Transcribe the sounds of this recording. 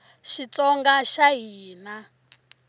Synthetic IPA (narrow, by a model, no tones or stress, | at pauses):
ʃit͡sɔŋɡaʃaɦiːna